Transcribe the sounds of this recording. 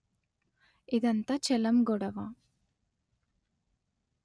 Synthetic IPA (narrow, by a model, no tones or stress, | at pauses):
id̪ɐnt̪ɐt͡ʃɛlɐmɡɔɽɐʋa